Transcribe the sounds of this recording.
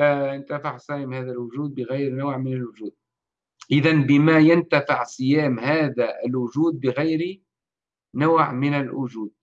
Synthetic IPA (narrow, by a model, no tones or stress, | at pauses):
aɪnt̪afɪʕsˤɑːjɪmhæːðælwʊʒuːd̪̚bɪɣajɾnawːʕmɪnɪlwʊʒuːd̪̚ | ʔɪðanbɪmajant̪afɪʕsˤɨjaːmhaːðæʔɪlwʊʒuːd̪̚bɪɣajɾi | nʊwʕmɪnɪlʔʊʒuːd̪̚